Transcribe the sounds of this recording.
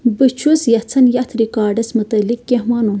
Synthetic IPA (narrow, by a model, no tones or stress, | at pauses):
bɨt͡ʃʰusjɐt͡sʰɐnjɐt̪ʰɾikaːɖɐsmɨt̪ɐlikːɐɦmɐnun